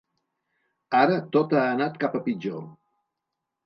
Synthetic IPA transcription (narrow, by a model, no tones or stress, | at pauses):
aɾət̪ot̪aːnat̪kapəpid͡ʒo